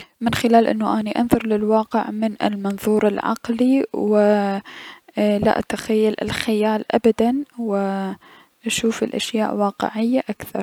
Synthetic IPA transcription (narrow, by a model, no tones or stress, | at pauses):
mɪnxɪlaːlʔɪnːuʔaniʔanðˤɨɾˤlɪlwɑːqɪʕmɪnɪ̰lmɑnðˤuːɾɪlʕɑ̰qliwɪ | la̰ʔat̪axajːalɪ̰lxɪjaːlʔa̰bad̪anwɪ | ʔaʃuːfɪlʔaʃjaːʔwɑːqɪ̰ʕɪjːaʔakθɑɾˤ